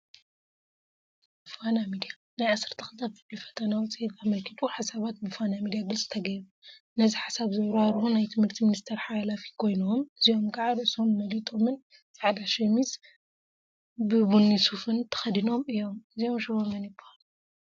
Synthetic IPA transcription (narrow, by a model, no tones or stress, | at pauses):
fanamid̪ija | najʕasɨɾt̪ʰɐxɨzabzɨlifɐ̥t̪ʰɐnawɔt͡sʼijit̪amɐlkʰɨt̪ʼuħasaβat̪̚bɨfanamid̪ijaɡɨlsʼɨ̥t̪ʰɐɡɐjbu | nɐziħḁsaβzɐwɾaɾunajt̪ʰɨmhɨɾt̪ʰiminist̪ʰeɾħalafi̥kʰo̞jnomɨzio̞mkʼaʕaɾɨʔɨso̞mːɐlit̪ʼo̞mɨn | zaʕlaʃɛmiz | bɨbunːisufɨnt̪ʰɐ̥xɐd̪ino̞mɨjːo̞mɨzio̞mʃɨβomɐnjɪbːuhalu